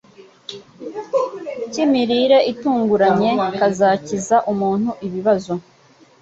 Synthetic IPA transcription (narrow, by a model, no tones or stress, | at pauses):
cimiɾiɾe̞ʔituːŋɡuɾaɲe̞kazacizaʔumuːnhuʔiβiβazo̞